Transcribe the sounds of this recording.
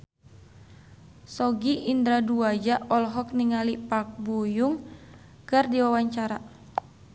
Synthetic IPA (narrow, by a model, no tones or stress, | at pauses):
sɔɡiʔind̪ɾaduad͡ʒaʔɔlɦɔk̚niŋalipak̚bujuŋ | kɨrdiwawaɲt͡ʃaɾa